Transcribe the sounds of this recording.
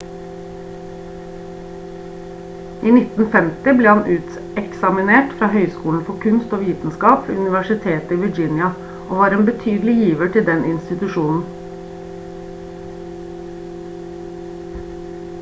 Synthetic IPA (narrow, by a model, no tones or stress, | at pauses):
ʔiːnɪt̪n̩fɛmt̪ɪbleːhɑnʔʉːt̪ | ɛksɑmɪneːʈfɾɑːhœʏskuːln̩fɔkʰʉnst̪oːʋiːt̪n̩skɑːpʉ̰nɪʋæʃɪt̪ʰeːt̪əiːʋɪd͡ʒɪnjɑ | ʔoːʋɑːɾeːnbət̪ʰyːd̪l̩ɪjiːʋəʈʰɪld̪ɛnɪnst̪ɪt̪ʉʃuːnn̩